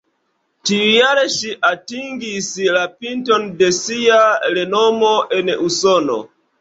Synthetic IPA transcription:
tiujaɾeʃiʔatiŋɡislapintondesiaɾenomoʔenusono̰

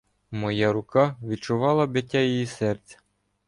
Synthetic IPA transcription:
mɔjɑɾʊkɑʋʲit͡ʃʊʋɑlˠɐbet̬ʲːajijisɛrt͡sʲɐ̥

